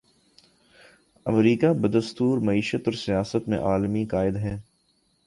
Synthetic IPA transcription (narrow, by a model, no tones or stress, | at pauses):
ɐmɾiːkabɐd̪əst̪uːɾmɐiːʃət̪ɔːɾsijaːsət̪mḛ̃ʔaːlmikaːɪd̪ɦɛː